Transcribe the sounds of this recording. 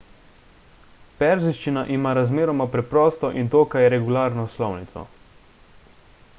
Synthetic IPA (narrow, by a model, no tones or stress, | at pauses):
pɛɾziʃt͡ʃinaʔimaːɾazmeːɾɔmapɾɛpɾɔːst̪ɔʔint̪oːkajɛɾɛɡulaːɾnɔslɔwnit̪sɔ̰